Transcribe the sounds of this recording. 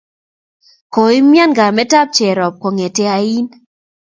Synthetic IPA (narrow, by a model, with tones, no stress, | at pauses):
ko˨i˦mja˦nɡa˨mɛ˦ta˦p̚t͡ʃɛ˨ɾɔ˨p̚kɔ˨ŋe˨te˦a˨i˦n